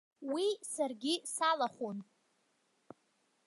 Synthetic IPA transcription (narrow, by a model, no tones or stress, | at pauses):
wisarɡʲɪsalaχʷun